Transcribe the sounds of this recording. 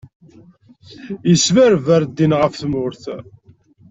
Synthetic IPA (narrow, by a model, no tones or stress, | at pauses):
jəsmæɾvæɾd̪ːinʁəfθmʊɾθ